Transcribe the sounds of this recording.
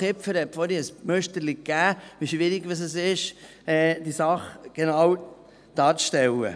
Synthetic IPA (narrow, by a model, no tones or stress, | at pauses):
ɪpfəɾhɛpfɔɾiəsmœʃt̪əɾlikːæːʋiʃʋɪɾiɡʋɑs̬əsɪʃ | ɛːd̥̪isɑχɡ̥enɑw | d̪̥ɑːɾt͡sʃtɛlə̰